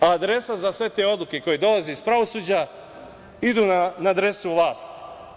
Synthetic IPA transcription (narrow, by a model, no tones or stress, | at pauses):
aːd̪ɾe̞sazasʋe̞t̪e̞o̞d̪lˠuke̞ko̞jed̪o̞lazeispɾaʋo̞suːd͡ʑa | id̪uːnanaːd̪ɾe̞suvlˠaːst̪